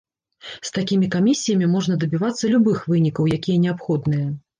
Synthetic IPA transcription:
st̪akʲimʲikamʲisʲːijɐmʲimɔʐnɐd̪ɐbʲivat̪sːɐlʲubɨxvɨnʲikɐwjakʲijɐnʲɛapxɔd̪nɨjɐ

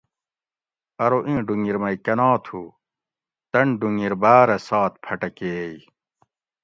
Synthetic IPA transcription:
ɐɾoʔĩːɖuŋiɾmɐikɐnaːt̪ʰuː | t̪ɐɳɖuŋiɾbaːɾɐsaːt̪̚pʰɐʈɐkeːj

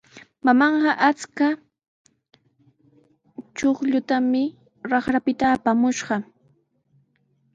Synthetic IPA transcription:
mamɑɴɢɑʔat͡ska | t͡ʃoχʎʊt̪amɪ | ɾɑχɾapɪt̪aːpamʊʃɢɑ

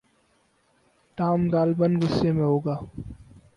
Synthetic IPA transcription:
ʈaːmɡaːlbənɡʊsːemẽɦoːɡaː

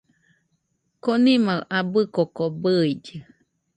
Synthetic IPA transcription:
konimaʔabɨkokobɨid͡ʒɯ

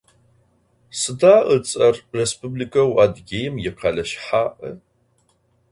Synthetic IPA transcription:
sɨdaːʔət͡sʼɐrrespublikʰɐwadɡʲejɪmjɪqʰɑɮɐʃħaːʔə

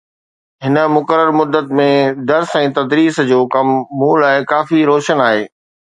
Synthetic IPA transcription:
ɦɪnə̆mʊkəɾəɾmʊd̪ːət̪mẽd̪ɐɾsɛ̃ːt̪ɐd̪ɾiːsd͡ʑoːkɐmːuːlaːɪkaːfiɾoːʃənaːɦeː

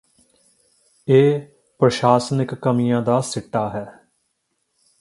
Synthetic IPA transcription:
eː | pɾəʃaːsənɪkːəmijãːd̪aːsɪʈːaːɦɛː

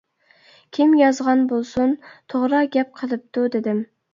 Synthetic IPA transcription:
kʲʰimjɑzʁɑnbolˠsunt̪ʰoʁɾɑɡʲɛp̚qʰəlˠɨp̚t̪ud̪ɪd̪ɪm

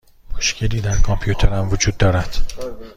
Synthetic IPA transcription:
moʃcʰe̞liːd̪æɾkʰɒmpʰjut̪ʰeɾæmvod͡ʒuːd̪̚ːɒːɾæd̪̥

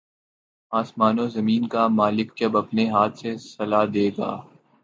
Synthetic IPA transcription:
aːsmaːnozɐmiːnkamaːlɪk̚t͡ʃɐbɐpneɦaːt̪ʰsesɐlaːd̪eːɡa̰ː

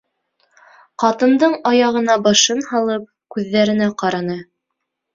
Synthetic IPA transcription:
qɑt̪ɤ̆nd̪ɤɴɑjɑʁɤ̆nɑbɑʃɤnhɑlˠɤp̚kʉðːæɾɘ̆næqɑɾɑnɤ

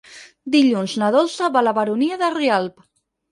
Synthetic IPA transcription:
d̪iʎunznaðolˠsəβaləβəɾuniəðərialp

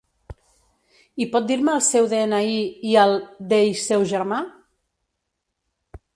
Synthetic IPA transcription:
ipɔt̪̚d̪iɾməːlˠsɛwðeenəiiəlˠd̪ejsɛwʒəɾma

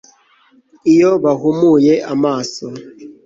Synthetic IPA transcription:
ijɔβaɣumujɛamaːsɔ

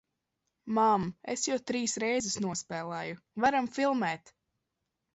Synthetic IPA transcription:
mamesjɛwt̪ɾiːsɾɛjzɛsnuɔspɛːlˠɛːju | vaɾamfilˠmɛːt̪

